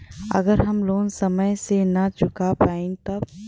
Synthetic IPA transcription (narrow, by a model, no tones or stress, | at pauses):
ə̰ɡəɾɦɐmloːnsəməjsenɐt͡ʃʊkapaːĩt̪ɐb